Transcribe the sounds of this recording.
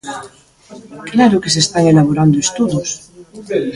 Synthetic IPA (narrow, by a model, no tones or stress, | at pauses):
klaɾokes̬est̪aŋelaβ̞oɾand̪oest̪uðos